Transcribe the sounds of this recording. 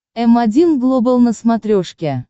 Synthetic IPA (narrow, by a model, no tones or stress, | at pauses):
ɛmɑdʲinɡlˠobəlˠnə̆smɑt̪ɾʲoʃkʲæ